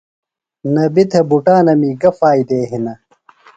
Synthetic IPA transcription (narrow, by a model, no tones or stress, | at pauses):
nɐbit̪ʰɐbuʈaːnɐmiːɡɐfaːjd̪eːɦinɐ